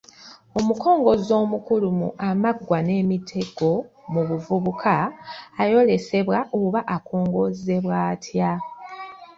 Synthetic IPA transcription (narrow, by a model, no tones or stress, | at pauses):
o̞muko̞ːŋɡo̞zo̞ːmukulumṵʔamaɡwane̞ːmitʰe̞ɡo̞muβuvuβukʰaː | jo̞le̞se̞βwaʔoβaʔakʰo̞ːŋɡo̞ze̞βwaːtʰja